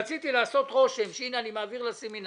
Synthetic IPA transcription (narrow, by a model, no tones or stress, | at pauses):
t͡sit̪ilaːso̞t̪ʁo̞ʃe̞mʃinanimaːviʁlasemin